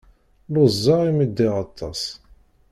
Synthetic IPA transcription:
lʊzˤːɑʁimid̪ːɪʁɑt̪ˤʰːɑs

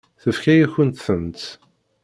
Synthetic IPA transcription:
θəfkæjæçənt̪θənt̪

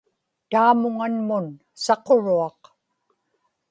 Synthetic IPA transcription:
t̪aːmʊŋanmʊn | sɑqo̞ɻuɑq

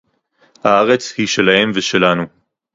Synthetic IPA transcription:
haaʁe̞t͡shiʃe̞lahe̞mveʃe̞lanu

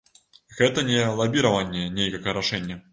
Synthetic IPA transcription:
ɣɛt̪ɐnʲɛlˠabʲiɾɐvɐnʲːɛnʲejkɐkəɾaʂɛnʲːɐ

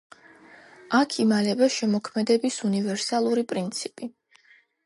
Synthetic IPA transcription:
akʰimalɛbaʃɛmɔkʰmɛd̪ɛbisunivɛɾsalˠuɾipʼɾint̪sʰipʼi

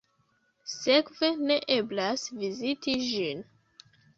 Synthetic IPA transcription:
se̞kve̞ne̞ʔe̞blasvizitid͡ʒin

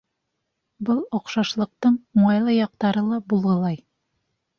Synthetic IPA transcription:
bɤlˠŏqʃɑʃlˠɤ̆q̚t̪ɤɴuɴɑjlˠɤjɑq̚t̪ɑɾɤlˠɑbulˠʁɤ̆lˠɑj

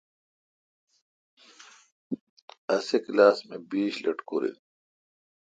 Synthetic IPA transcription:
ɐseklaːsmebiːɕlɐʈko̰ːɾḛ

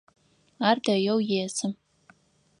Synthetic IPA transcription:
aːrdɐjowjeːsɨm

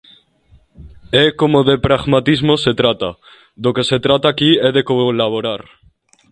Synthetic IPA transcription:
ekomoðepɾaɣmat̪izmoset̪ɾat̪a | ðokeset̪ɾat̪aːkieðekolaβoɾaɾ

